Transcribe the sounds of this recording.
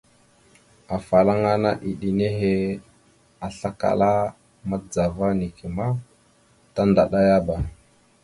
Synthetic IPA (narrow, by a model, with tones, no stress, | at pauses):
a˨fa˨la˦ŋa˦na˦ʔi˨ɗi˨ne˦ɦe˦ | a˨ɬa˦ka̰˨la˦ | ma˦d͡za˨va˦ni˨ke˨ma˦ | ta˦nda˨ɗa˦ja˦ba˨